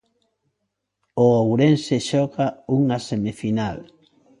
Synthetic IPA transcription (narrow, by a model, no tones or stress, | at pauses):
oowɾenseʃɔkauŋasemifinal